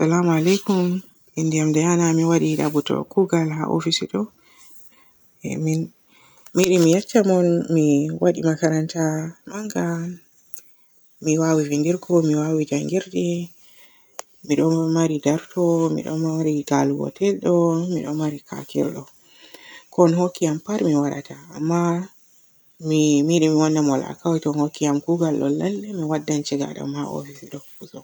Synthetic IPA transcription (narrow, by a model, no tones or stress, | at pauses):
salamalɛjkum | ʔindijamdɛjanamiwaɗiɗa̰butɔ̰kuɡalha̰ʔo̰fisiɗɔ | ɛ̰min | miɗimijat͡ʃːamɔnmiwaɗḭmakaɾantamaŋɡa | miwawivindiɾkʰɔmiwawid͡ʒaŋɡiɾɗi | miɗɔmaɾidaɾtɔmḭɗɔ̰maɾiɡaluwɔ̰tɛlɗɔmiɗɔmaɾikʰa̰kɛ̰lɗɔ | kɔnhokːijampaɾmiwaɗa̰ta̰ːmːa | mimiɗɛmiwanːamɔla̰kawtɔnhokːijamkuɡalɗɔ̰lːalːɛmiwadːant͡ʃɛɡa̰ɗa̰mhaʔo̰fisiɗɔkuzɔ